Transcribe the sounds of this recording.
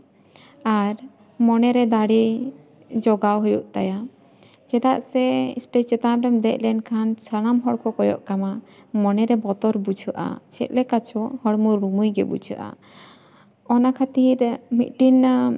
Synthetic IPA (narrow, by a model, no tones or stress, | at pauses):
aɾ | mɔnɛɾɛd̪aɽɛ | d͡ʒɔɡawɦujuʔt̪aja | t͡ʃɛd̪aʔsɛḭsʈet͡ʃɛt̪amɖɛmd̪ɛʔ̚ˀlɛnkʰansʰəɽ̃amɦɔɽkʰɔkɔjɔ̰ʔkama | mɔnɛɾɛbɔt̪ɔɾbut͡ʃʰəʔa̰t͡ʃʰɛ̰t̪̚lɛkat͡ʃʰɔhɔɽmuɾɾumujɡɛ̰bṵt͡ʃʰə̰ʔa̰ | ɔnakʰat̪iɾmḭt̪̚ʈin